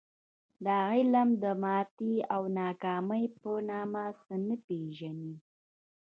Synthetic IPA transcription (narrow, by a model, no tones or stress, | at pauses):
d̪əaɣɪlamd̪əmɑt̪iawnɑkɑməjpənɑmasənəpeʒani